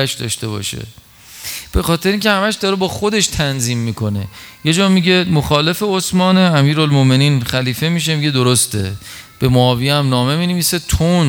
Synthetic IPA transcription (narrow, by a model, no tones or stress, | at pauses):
æʃd̪ɒ̰ːʃt̪e̞bɒ̰ːʃḛ | b̥e̞xɒːt̪ʰe̞ɾeiːŋcʲʰehæmæʃd̪ɒːɾebɒːxo̞d̪e̞ʃt̪ʰænziːmːiːkʰo̞ne̞̰je̞d͡ʒɒːmiɟe̞moxɒːle̞fe̞osmɒːneæmiːɾolmome̞niːnxæliːfe̞miːʃ̬emiɟe̞d̪oɾost̪ʰe̞̰ | b̥e̞moɒːviæmnɒːme̞miːneviːse̞t̪ʰon